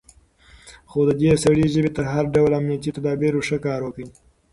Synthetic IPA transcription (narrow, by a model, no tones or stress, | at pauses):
xod̪əd̪esaɽiʒəbet̪əɾɦaɾɖawlamnijat̪it̪ad̪ɑbiɾoʂəkɑɾwəki